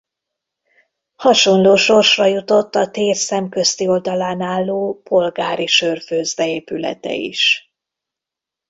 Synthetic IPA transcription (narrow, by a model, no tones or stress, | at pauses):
hɒʃo̞nloːʃo̞rʃrɒjut̪o̞t̪ːɒt̪eːrsɛmkøst̪io̞ld̪ɒlaːnaːlːoːpo̞lɡaːɾiʃørføːzd̪ɛeːpylɛ̰t̪ɛ̰ḭʃ